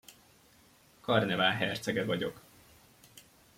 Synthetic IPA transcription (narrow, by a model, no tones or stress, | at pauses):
kɒrnɛvaːlɦɛrt̪sɛɡɛvɒɟo̞k